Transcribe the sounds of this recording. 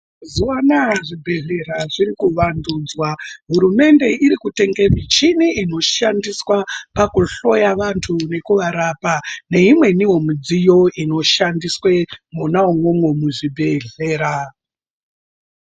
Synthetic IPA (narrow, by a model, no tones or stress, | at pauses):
zuanaʐibʱe̞ɮe̞ɾaʐirikuʋanduːd͡zwaɦuɾume̞nde̞iɾikute̞ŋɡemit͡ʃiniːno̞ʃandiswapakuɬo̞jaʋantʰune̞kuʋaɾaːpane̞imwe̞niɦo̞mid͡zijo̞ino̞ʃandiswemunauŋo̞mwo̞muʐibʱe̞ɮeːɾa